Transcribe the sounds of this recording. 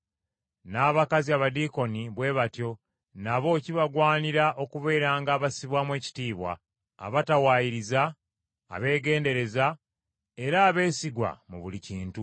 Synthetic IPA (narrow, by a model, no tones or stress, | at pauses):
naːβakaziaβadiko̞niβwe̞ːβatjo̞ | naβo̞ciβaɡwaːniɾaʔo̞kuβe̞ːɾaːŋɡaːβasiβwamwe̞ːci̥tiːβwa̰ː | βatawaːjiɾiza̰ː | βe̞ːɡe̞ːnde̞ɾe̞za | e̞ɾaːβe̞ːsiɡwa̰mṵβuliciːntu